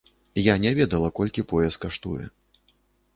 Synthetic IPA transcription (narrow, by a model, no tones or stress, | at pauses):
janʲɛvʲɛd̪ɐlˠɐkɔlʲkʲipɔjɛst̪̚kaʂt̪ujɛ̰